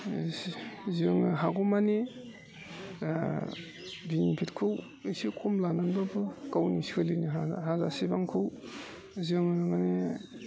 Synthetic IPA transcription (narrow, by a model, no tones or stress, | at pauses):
zɯŋɯɦaɡɔmani | binipʰitkʰɯw | isikʰɔmlananbabɯkawnisi̥kʰɯliniɦazaɦaza̰sibaŋkʰɯw | zɯŋɯmane